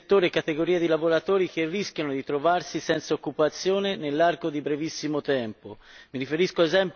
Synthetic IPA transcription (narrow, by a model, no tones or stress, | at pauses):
t̪ːoːɾekːat̪eɡoɾiːad̪ilavoɾat̪oːɾikerːiskjanod̪it̪ɾovarsisɛnt̪saokːupat̪sːjoːnenelːarkod̪ibɾevisːimot̪ɛmpomiɾifeɾiskoezɛmp